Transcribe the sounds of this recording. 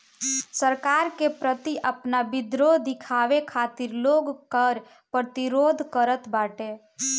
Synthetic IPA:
səɾkaɾkepɾət̪iʔəpnabid̪ɾod̪ikʰaʋekʰat̪iɾloɡkəɾ | pɾət̪iɾod̪ʱkəɾət̪baʈe

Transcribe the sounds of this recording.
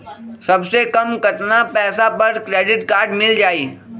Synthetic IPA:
sɐbsekɐmkɐt̪napɛːsapɐɾkɾeːɖɪʈkaːɾɖmɪld͡ʒaːiː

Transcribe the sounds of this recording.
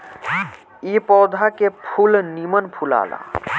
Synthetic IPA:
ipɔːd̪ʱakepʰulnimənpʰula̰la̰

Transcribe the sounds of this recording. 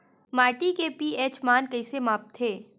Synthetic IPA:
maːɾʈikepiːeːt͡ʃmaːnkɐɪsemaːp̚t̪ʰeː

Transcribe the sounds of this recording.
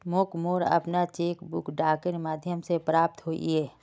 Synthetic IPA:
moːkmoːɾɐ̰pnat͡ʃeːkbʊ̰kɖaːkəɾmaːd̪ʱjəmsepɾaːp̚t̪ɦoːḭɦɛː

